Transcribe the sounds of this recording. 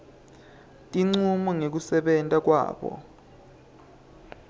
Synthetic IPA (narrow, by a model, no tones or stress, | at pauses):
tʼiŋ͡ǀumɔŋek̬usɛɓɛntʼak̬wa̰ːɓɔ̰